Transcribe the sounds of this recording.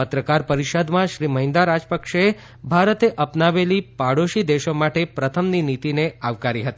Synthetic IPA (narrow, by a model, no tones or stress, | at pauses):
ət̪ɾəkaɾpəɾiʃəd̪mãʃɾiməɦĩnd̪aɾad͡ʒpəkʃe | bʱaɾət̪eʔəpnaʋelipaɽoʃid̪eʃomaʈepɾət̪ʰəmninit̪ineaʋkaɾiɦət̪i